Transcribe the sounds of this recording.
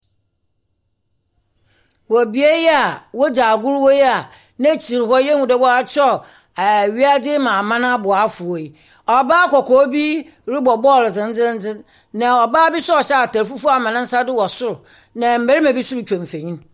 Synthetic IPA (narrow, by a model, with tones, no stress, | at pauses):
wɔ˨bi˦e˦jɛ˦a˨wɔ˦d͡ʑaː˨ɡʊ˦ɾwo˦jɛ˦a˨ | nã˦t͡ɕʰi˨ɾɪ˨hɔ˦jɛ˦ŋũ˨dɛ˦bɔ˦a˦t͡ɕʰɔ˦˨ | ɥi˦a˦dɪ˦mã˨mã˦nã˦bʊ˨a˨˦fʊ˨o˨i˨ | ɔ˨baː˦kʰɔ˨kʰɔː˦bi˦ | ɾɪ˦bɔ˨bɔ˦˨ld͡zɪ̃˨n̩˦d͡zɪ̃˦n̩˦d͡zɪ̃˦ | nã˨ɔ˨baː˦bi˦sɔ˦ɔ˨ɕɛ˦a˨tæ˨ɾfu˦fu˦a˨mã˨nɪ̃˦n̩˦sa˦dɪ˦wɔ˨sʊ˦ɾʊ˨ | nã˨m̩˨be˦ɾi˦mã˨bi˦su˦ɾu˨t͡ɕᶣɔ̃˨m˨fẽ˨ɲĩ˦n